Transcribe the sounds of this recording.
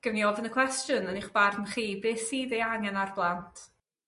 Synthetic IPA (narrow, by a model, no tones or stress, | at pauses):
ɡ̥əvniɔvənəkʰwɛstjʊnəniχb̥arnχiːbeːsiːðejanjanarblˠantʰ